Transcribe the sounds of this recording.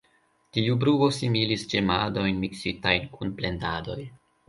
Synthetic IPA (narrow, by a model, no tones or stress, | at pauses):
tiubɾuo̞similisd͡ʒemado̞jnmiksitajnkunple̞ndado̞̰j